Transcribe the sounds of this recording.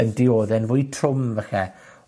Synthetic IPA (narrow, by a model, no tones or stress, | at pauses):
əndɪoːðɛnvʊːjtʰrʊmvəxɛ